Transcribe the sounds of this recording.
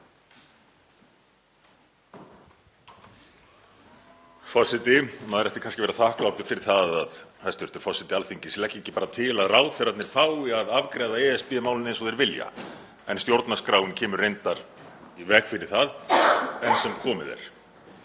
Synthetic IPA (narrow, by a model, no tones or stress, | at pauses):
fɔsɪt̪ɪmaðɛɾɛht̪ɪ̥kʰanscɪvɛːɾaθahklawp̪ɪfɪɾɪɾ̥θaðaðhajst̪vʏɾt̪ʏɾ̥fɔsɪt̪ɪalθiɲcɪslɛhcːeɲcːɪpaːɾat̪ʰɪlaðraːwθɛɾat̪nɪɾ̥faːwɪaðavkɾɛːðaɛɛspɛmaːwlɪnjnsɔðɛɾvɪlja̰ | ɛ̰nst̪jowɾt̪naskɾaːwɪncʰɛːmʏɾrːejnt̪aɾ̥ | ivɛxfɪɾɪɾ̥θaðɛnsɛmkʰɔːmɪ̰ðɛ̰ɾ̥